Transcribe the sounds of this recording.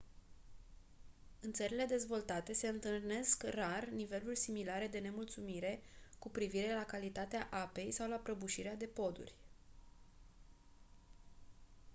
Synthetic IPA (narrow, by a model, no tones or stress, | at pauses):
ɨnt̪səɾile̞d̪e̞zvo̞lt̪at̪e̞se̞ɨnt̪ɨrne̞skrarnive̞lurʲsimilaɾe̞d̪e̞ne̞mult̪sumiɾe̞kupɾiviɾe̞lakalit̪at̪eaʔape̞jsawlapɾəbuʃiɾead̪e̞po̞d̪ṵrʲ